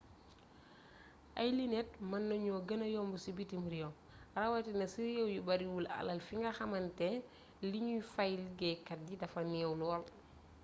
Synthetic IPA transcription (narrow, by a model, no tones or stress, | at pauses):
ʔɐjlinɛt̚mɐnːɐɲɔɡɐnɐjɔmbusibitimɾijɔ | rɐwɐtinɐsiɾijɛwjubɐɾiwulɐ̰lɐlfiŋɡɐxɐmɐntɛ | liɲujfajlɡɛkɐt̚ɟidɐfɐniɛwnuɔl